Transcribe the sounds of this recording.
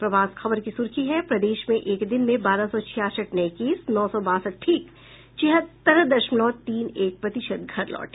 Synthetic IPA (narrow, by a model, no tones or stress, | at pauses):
pɾɐʋaːsxɐbəɾkisʊɾkʰiɦɛpɾɐd̪eːʃmẽʔeːkd̪ɪnmẽbaːɾasɔt͡ʃʰijaːsəʈnɐɪkiːsnɔːsɔbaːsəʈ̚ʈʰiːk | t͡ʃɪɦət̪ɐɾəd̪ɐʃmlɔːt̪ːiːneːk̚pɾɐt̪ɪʃəd̪̚ɡʱɐɾlɔ̰ːʈː